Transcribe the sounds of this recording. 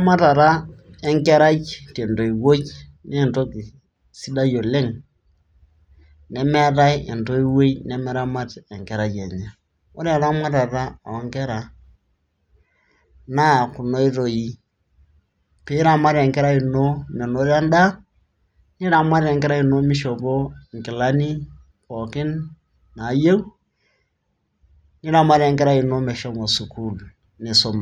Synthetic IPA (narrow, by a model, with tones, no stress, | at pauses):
a˦ma˦ta˨ɾa˦ɛ˦ŋke˦ɾa˦t͡ʃte˨ndo˨i˨wo˦t͡ʃne˦˨nto˦ki˨ | si˦da˦jo˨le˦ŋ | nɛ˨mɛ˦ɾa˦i˦e˨nto˦i˦we˦jnɛ˦mɛ˦ɾa˦ma˦tɛ˨ŋkɛ˨ɾa˦je˨ɲa˨ | o˦ɾa˨ɾa˦ma˦ta˨ɾa̰ː˦˨wa˨˦ŋkɛ˦ɾa˨ | na˦˨ku˨no˦i˦ɾo˨i˦ | pe˦ɾa˨ma˦ɾɛ˨ŋkɛ˦ɾa˦i˨no˦nɛ˨no˦ɾa˦n˦da˦ | ni˦ɾa˨ma˦ɾɛ˨ŋkɛ˦ɾa˦i˨no˦mɪ˦ʃo˨bo˦˨ŋ˨kɪ˨la˦ni˦ | kɔ˨kɪ˦n | na˨˦je˦u˦ | ni˦ɾa˨˦ma˦ɾɛ˨ŋkɛ˦ɾa˦i˨no˦mɛ˨ʃɔ˦mo˨su˨ku˦l | ne˨so˦ma˨